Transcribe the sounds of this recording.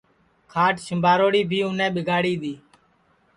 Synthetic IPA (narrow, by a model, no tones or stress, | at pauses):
kʰaːʈʃəmbʱaːɾoːɽiːbʱiːʊnẽːɓɪɡʱaːɽiːɗ̪iː